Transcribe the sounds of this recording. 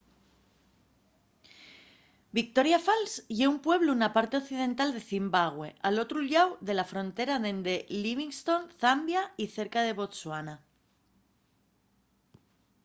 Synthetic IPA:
bik̚t̪o̞ɾjafalsʝe̞umpwe̞β̞lounapaɾt̪e̞oθið̞ẽ̞nt̪ald̪e̞θimbaɣ̞we̞alo̞t̪ɾuʎawðe̞lafɾo̞nt̪e̞ɾaðe̞nd̪e̞liβiŋst̪o̞nθambjaiθe̞ɾkaðe̞βo̞t̪swana

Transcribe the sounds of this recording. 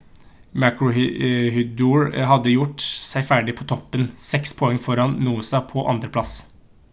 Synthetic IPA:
mækɹʊhʏd̪uɹɦɑd̪ːəjʊʈsæɪfæːɖɪpʰɔt̪ʰɔpːənsɛkspʰɔɛŋːfɔɾɑnnuːsɑpʰɔʔɑ̰nd̪ɾəpʰlɑs

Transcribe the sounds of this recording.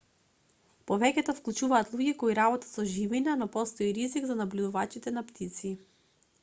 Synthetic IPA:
pɔvɛkʲɛt̪ɔfklˠut͡ʃuvaːt̪lˠuɡikɔiɾabɔt̪ḁt̪sɔʒivinanɔpɔst̪ɔiɾiziɡzanablʲud̪uvat͡ʃit̪ɛnapt̪ʰit̪si

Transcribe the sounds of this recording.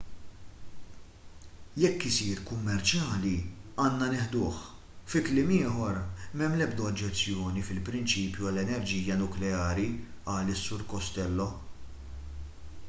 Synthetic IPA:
jɛkːɪsiːɾkʊmːɛɾt͡ʃjɐːliɐːnːɐnɪħd̪ʊːħ | fɪklɪːmɪːħɔɾmɛmːlɛbd̪ɔɐd͡ʒːɛt͡sːjɔːnifɪlpɾɪnt͡ʃiːpjuɐlɛnɛɾd͡ʒiːjɐnʊklɛɐːɾiʔɐːlɪsːʊɾkɔst̪ɛlːɔ

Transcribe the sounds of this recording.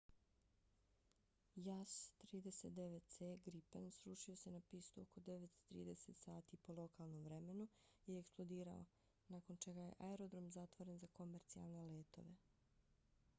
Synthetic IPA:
jast̪ɾiːd̪e̞set̪̚d̪eʋet̪̚t̪seɡɾipensɾuʃio̞se̞napiːst̪uoko̞d̪eʋet̪t̪ɾḭːd̪e̞set̪saːt̪ipo̞lˠo̞kalˠno̞mvɾe̞me̞nuieeksplˠo̞d̪iːɾa̰o̰ | naːko̞nt͡ʃe̞ɡaje̞̰ʔaeɾo̞d̪ɾo̞mzat̪ʋo̞ɾe̞nzako̞meɾt̪sia̰lˠne̞leːt̪o̞̰ʋe̞

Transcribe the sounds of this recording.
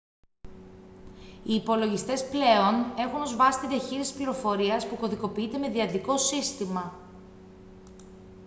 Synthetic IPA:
iːpo̞lo̞ʝist̪e̞sple̞o̞ne̞xuno̞zvɐsi̥t̪iðiɐçiɾisi̥spliɾo̞fo̞ɾiɐspuko̞ðiko̞piit̪e̞me̞ðiɐt̪iko̞sist̪imɐ

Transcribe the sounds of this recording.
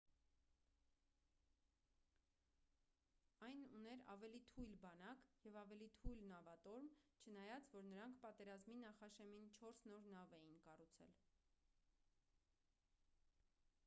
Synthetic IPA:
ɑjnunɛɾɑ̰vɛlit̪ʰujlbɑnɑkjɛvɑvɛlit̪ʰujlnɑvɑt̪ɔɾmt͡ʃʰənɑjɑt͡svɔɾnəɾɑŋkʰpɑt̪ɛɾɑzminɑχɑʃɛmint͡ʃʰɔɾsnɔɾnɑvɛjinkɑrut͡sʰɛ̰l

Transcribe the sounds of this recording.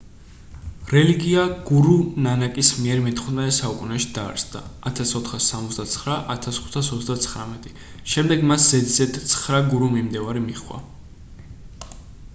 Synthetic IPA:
ɾɛliɡiaɡ̥uɾunanakʼismiɛɾmit̪ʰχunasaukʼunɛʃi̥d̪̥a̰ːɾsd̪a̰ːt̪ʰasɔt̪ʰχasːamɔt̪zd̪at̪sʰχɾaʔat̪ʰasχu̥t̪ʰasɔt̪zd̪at̪sʰχɾamɛt̪ʼi | ʃɛmd̪ɛɡmasz̥ɛd̪zɛt̪ʰt̪sʰχɾaɡuɾumimd̪ɛvaɾimiχwa̰

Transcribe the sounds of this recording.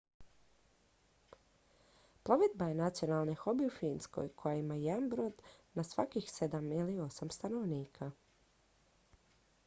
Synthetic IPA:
pɾˠo̞ʋed̪̚bajenat̪sio̞nalˠnexo̞biufiːnsko̰jkʰo̞jaimajed̪anbɾod̪nasʋakixse̞d̪amilio̞samst̪ano̞ʋniːkʰa

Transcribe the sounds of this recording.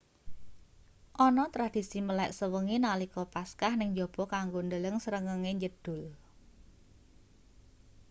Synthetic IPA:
ʔɔnɔt̪ɾad̪̥i̤siməlɛʔsəwəŋinalikɔpaskahnɪŋɲd͡ʒɔb̥ɔ̤kaŋɡond̪ələŋsəɾəŋəŋeɲd͡ʒəd̥ʊ̤l

